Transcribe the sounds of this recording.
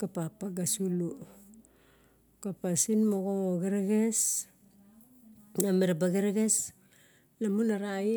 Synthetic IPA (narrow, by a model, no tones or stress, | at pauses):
kapapaɡasulu | kapasinmoɡooɡeɾeɡes | nameɾabaɡeɾeɡes | lamunaɾai